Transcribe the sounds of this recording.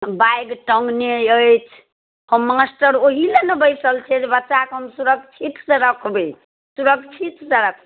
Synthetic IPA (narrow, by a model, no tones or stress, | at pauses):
bajɡʈəŋɡnejəjt͡ʃʰ | həmːasʈəɾoɦilenebəjsəlt͡ʃʰɛd͡ʒebətːʃakɦəmsuɾəɡt͡ʃʰit̪seɾəkʰbe | suɾəkt͡ʃʰit̪seɾəkʰb